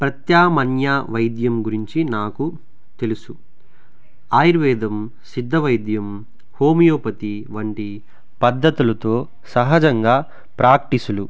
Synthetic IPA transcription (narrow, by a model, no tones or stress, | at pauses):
pɾɐt̪jaːmɐnjaːʋɐjd̪jɐmɡuɾiɲt͡ʃinaːku | t̪e̞lusu | aːjiɾʋɛːd̪ɐm | sid̪ʱːɐʋɐjd̪jɐm | hoːmijoːpɐt̪iʋɐɳʈi | pɐd̪ʱːɐt̪ulɐt̪o̞ː | sɐɦɐd͡ʒɐŋɡaː | pɾaːk̚ʈisulu